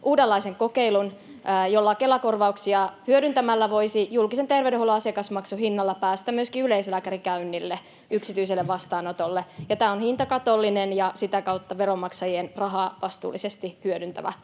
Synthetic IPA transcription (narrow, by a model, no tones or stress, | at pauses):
ʔuːdelːɑiseŋkokeilunː | jo̞lːɑke̞lɑkorʋɑuksiɑhyøɾynt̪æmælːæʋo̞isijulkiset̪erʋedeholoɑsɑkɑsmɑksuhinːɑlːɑpæːst̪æmmyøskiyleislæːkæɾikæynːilːe | yksit̪yis̬elːeʋʋɑst̪ɑːnot̪olːejɑt̪æːonhint̪ɑkɑt̪o̞lːinenjɑsit̪ækɑut̪ːɑʋeɾomɑksɑjienrɑɦɑːʋɑst̪ṵːlːˑisest̪ihyødynt̪æ̰ʋæ̰